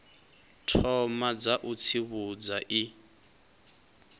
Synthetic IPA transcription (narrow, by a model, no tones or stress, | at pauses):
tʰɔmad͡zaʔut͡sʰiβud͡zaʔi